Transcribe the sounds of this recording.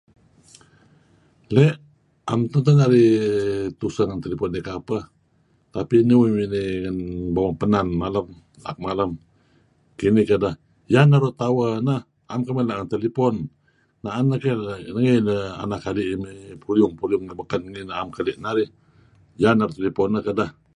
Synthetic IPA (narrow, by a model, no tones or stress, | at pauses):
leʔ | amt̪ənt̪ənaɾi | t̪usəŋant̪elipɔnːikapəh | t̪apiniwiminiŋanbawaŋpənanmaləm | la̰k̚maləm | kinikədah | janːaɾuʔt̪awənəh | amkəmilaʔŋənt̪elipɔn | naʔanːəkənəŋinəa̰nakaliʔmipuljʊŋpuliʊŋnabəkanŋinaamkəliʔnaɾi | janːaɾuʔt̪elipɔnːəhkədah